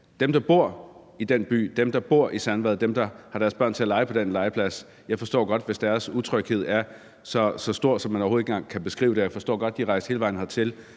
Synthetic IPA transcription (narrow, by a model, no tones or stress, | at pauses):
d̥emd̥ɑ̈b̥o̝ɐ̰ | id̥enb̥y̰ːd̥emd̥ɑ̈b̥o̝ɐ̰ʔisænʋæðˠd̥emd̥ɑ̈hɑ̈ɾ̥æɐsb̥ɶɐnt͡sʰe̝ælɑ̈ɪpʰɒ̽d̥enlɑ̈ɪəpʰlæs | jɑ̈ɪfɒ̽sd̥ɔ̰ːɡ̥ɒ̽d̥ʋe̝sd̥æɐsut͡sʰʁœɡ̥he̝ð̞̰ˠæɐ | sɒ̽sɒ̽sd̥o̝ɐ̰d̥sɒ̽mːænɒʊho̥eŋɡ̥ɑ̰ŋkʰæb̥e̝sɡ̥ʁḭːʊd̥e̝jɑ̈ɪfɒ̽sd̥ɔ̰ːɡ̥ɒ̽d̥̚ːiʁɑ̈ɪ̰sd̥e̝ːləʋɑ̈ɪ̰n̩hɑ̈t͡sʰe̝l